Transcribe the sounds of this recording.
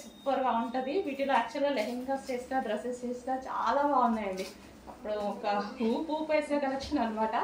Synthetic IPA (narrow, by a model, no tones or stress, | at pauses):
supɐɾʋaːuɳʈɐd̪iʋiːʈiloaːk̚t͡ʃuɐlɐleɦiŋɡɐst͡ʃeːsinɐd̪ɾɐsest͡ʃeːsnat͡ʃa̰ːlaːbaːunːaːjɐɳɖ̪i | ɐpːuɽuɔkɐɦuːpuːpejsakɐlɐkt͡ʃʰːinɐnmaːʈɐ